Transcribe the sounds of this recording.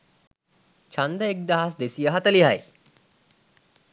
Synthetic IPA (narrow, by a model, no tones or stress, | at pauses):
t͡ɕʰãnd̪əek̚d̪aɦas̬d̪esijəɦat̪əliɦaj